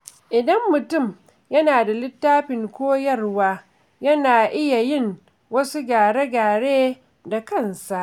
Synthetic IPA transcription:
ʔɪ˨dɐ˦mːʊ˨tʊ˦˨m | jɐ˦naː˨da˨lɪ˦tːaː˦ɸɪ˨ŋkʷoː˦jɐ˦rwaː˦ | jɐ˦naː˨ʔɪ˦ja˨jɪ˦˨ŋ | wɐ˦su˦ɡaː˨ɽeː˦ɡaː˨ɽeː˦ | da˨kɐ˦˨nsa˨ʔ

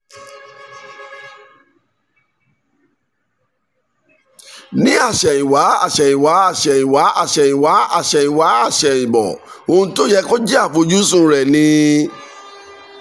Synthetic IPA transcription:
nĩ˨˦a˦˨ʃɛ˨jĩ˨wa˨˦a̰˦˨ʃɛ˨j̃ĩ˨wa˨˦a˦˨ʃɛ˨j̃ĩ˨wa˨˦a˦˨ʃɛ˨j̃ĩ˨wa˨˦ʔa˦˨ʃɛ˨j̃ĩ˨wa˨˦a˦˨ʃɛ˨j̃ĩ˨bɔ̰˨o˧ũ˧to˦jɛ˧˦kɔ˦d͡ʒi˦a˦˨fo˨˧˦d͡ʒu˦sũ˦ɾũ˧ɾɛ˨nĩ˧

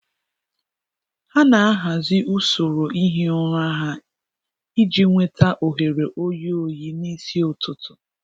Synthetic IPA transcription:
ha˦na˨a˦ɦa˨zɪ˦ʔu˦so˨ɾo˨ʔi˦ɦi˦ɔ˦ɾa˦ɦa˦ | i˦d͡ʒi˦ŋʷe˦tʰa˦ʔo˨ɦe˨ɾe˨ʔo˦jo˨ji˦ni˦si˦o˨tʰʊ˨tʊ˨

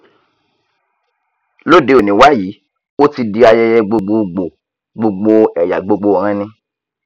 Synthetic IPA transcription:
lo˦˨de˧˦o˨nĩ˨wa˨˦jiː˨˦ | o˦ti˧di˧˦a˧jɛ˦jɛ˦ɡ͡bo˧ɡ͡bo˧˦ɡ͡bo˨ | ɡ͡bo˧ɡ͡bo˧ɛ˨ja̰˨ɡ͡bo˧ɡ͡bo˧˨ɾ̃ĩ˦˧˦nĩ˧

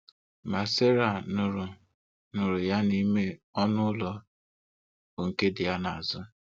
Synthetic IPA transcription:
ma˨se˦ɾa˨nʊ˨ɾʊ˨ | nʊ˨ɾʊ˨ja˦ni˦me˦ɔ˦nʊ˦lɔ˦˨ | ŋ̩˨ke˦dɪ˨ja˦na˨a˨zʊ˦

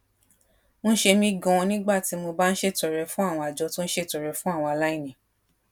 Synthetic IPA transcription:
n̩˦ʃe˧mĩ˦ɡɔ̃˧nĩ˦ɡ͡ba˦˨ti˨˧˦mo˧ba˦n̩˦ʃe˦˨tɔ˨ɾɛ˨˧fũ˦a˦˨w̃ɔ̃˧a˨d͡ʒɔ˨˧˦to˦ñ̩˦ʃe˦˨tɔ˨ɾɛ˨fũ˦a˦˨w̃ɔ̃˧a˨la˦i˦˨nĩ˨˦

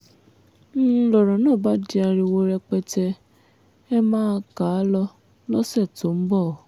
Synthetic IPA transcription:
n̩˦lɔ˨ɾã˨nãː˦˨ba˨˦di˦a˧ɾi˧wo˧ɾɛ˧k͡pɛ˧tɛ˧ | ɛ˦mãː˦ka˨˦lɔ˧ | lɔ˦sɛ˦˨tõ˨˦m̩˦bɔ˦˨

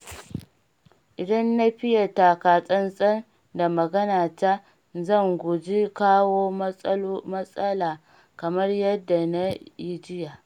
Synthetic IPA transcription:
ʔɪ˨dɐ˦nːa˦ɸɪ˦ja˨ta˨kaː˨sʼɐ˦nsʼɐ˦n | da˨mɐ˨ɡɐ˦naː˨ta˦ | zɐ˦˨ŋɡʷʊ˨d͡ʒi˦kaː˦woː˦mɐ˦sʼɐ˦laː˨ | kɐ˨mɐ˦rjɐ˦dːa˨na˦ji˦d͡ʒɪ˦ja˨ʔ

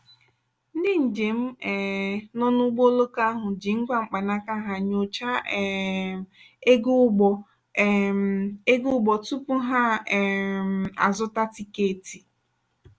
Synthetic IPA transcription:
n̩˦dɪ˦n̩˨d͡ʒe˨m̩˦ɛ˨nɔ˦nʊ˦ɡ͡bo˦lo˦ka˦ɦʊ˨d͡ʒi˨ŋ͡m̩˦ɡʷa˦ŋ͡m̩˨k͡pa˨na˦ka˦ɦa˨ɲo˨˦t͡ʃa˦˨ | e˦ɡɡ͡bɔ˨ | e˦ɡu˦ɡ͡bɔ˨tu˦pʊ˦ɦa˦˨ | m̩˨a̰˨zʊ˦ta˦ti˨ke˦˨ti˨

